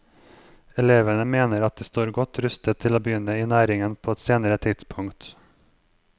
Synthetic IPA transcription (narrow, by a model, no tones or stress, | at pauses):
ɛleːʋənəmeːnəɾɑt̪̚d̪̥eːst̪oːɾɡɔt̪ʰɾʉst̪ət̪ʰːɪloːbəjʏnəiːnæːɾɪŋənpʰoːɛt̪seːnəɾət̪ʰɪd̪̥spʰʊŋt̪